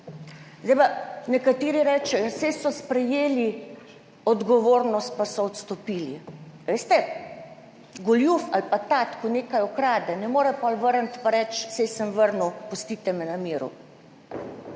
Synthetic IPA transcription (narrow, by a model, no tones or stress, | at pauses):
zd̪ɛjpanɛkat̪eːɾiɾɛːt͡ʃɛjɔsɛjsɔspɾɛjeːli | ɔd̪ɡɔʋoːɾnɔst̪̚pasɔːt̪st̪ɔpiːliʋeːst̪ɛ | ɡɔljufalpat̪at̪kɔneːkajɔkɾaːd̪ɛnɛmoːɾɛpɔlʋəɾənt̪paɾɛt͡ʃsɛjsəmʋəɾnuwpust̪iːt̪ɛmɛnamiːɾṵ